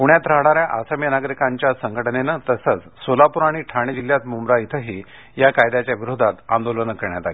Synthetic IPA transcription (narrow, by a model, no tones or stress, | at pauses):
puɳjat̪ɾaɽ̃aɾjaʔasəmjənaɡɾikaɲt͡ɕjasəŋɡʱəʈnenət̪əsət͡s | solapuɾaɽ̃iʈʰaɽ̃id͡ʑiljat̪mumɾait̪ʰəɦiː | jakajd̪at͡ɕjaʋiɾod̪ʱat̪ã̰nd̪olənəkəɾɳjat̪ale